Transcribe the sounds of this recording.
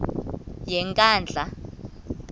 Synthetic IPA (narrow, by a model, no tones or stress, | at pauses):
jɛŋkʼaːnd͡ɮʱa